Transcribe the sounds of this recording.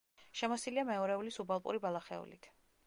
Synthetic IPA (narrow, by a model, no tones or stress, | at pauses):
ʃɛmɔsiliamɛɔɾɛulisubalˠpʼṵɾibalˠaχɛ̰ṵlḭt̪ʰ